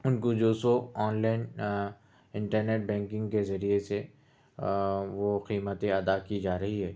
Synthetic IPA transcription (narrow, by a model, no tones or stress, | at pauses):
ʊnkod͡ʒoːsoɔːnlaːɪn | ɪ̃ɳʈəɾneːʈ̚bɛ̃ːŋkɪ̃ŋɡkezɐɾiese | ʋoqiːmət̪ẽɐd̪akid͡ʒaːɾɐɦiɦɛː